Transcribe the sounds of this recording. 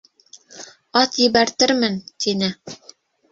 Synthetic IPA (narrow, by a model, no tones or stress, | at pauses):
ɑt̪jɘ̆βæɾt̪ɘɾmɘnt̪inɘ